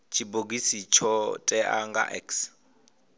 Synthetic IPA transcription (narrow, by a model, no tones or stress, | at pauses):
t͡ʃʰiboɡisit͡ʃʰɔtʼɛʔaŋɡa̰ʔɛ̰ks